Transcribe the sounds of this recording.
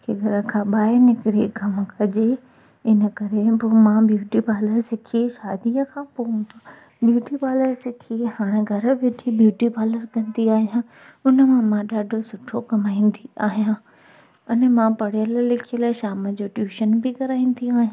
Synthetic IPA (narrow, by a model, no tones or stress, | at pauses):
kʰeːɡʱɐɾəkʰãːɓaːɪnɪkɾiɡʱɐmkʰɐd͡ʑe | ɪnə̆kɐɾebomãbjuːʈibaːləɾsɪkʰiʃaːd̪iəkʰãːpoːʊ̃nd̪a | bjuːʈibaːləɾsɪkʰiɦaːɽ̃eɡʱɐɾə̆ʋeʈʰibjuːʈibaːləɾkɐ̃nd̪iaːɦijã | ʊnə̆mãmãɗaːɖʱosʊʈʰokɐmaːĩːn̆d̪iaːɦijã | ʊnəmãpɐɽijəllɪkʰijəlaːɪʃaːmə̆d͡ʑoʈjuːʃənbɪkɐɾaːĩːn̆d̪iaːɦijã